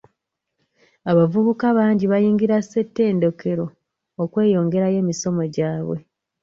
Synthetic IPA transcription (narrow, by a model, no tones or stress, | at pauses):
aβavuβukaβaːɲɟiβajiːŋɡiɾase̞tːe̞ːndo̞ke̞ɾo̞ː | kwe̞ːjo̞ːŋɡe̞ɾaje̞ːmiso̞mo̞ɟaːβwe̞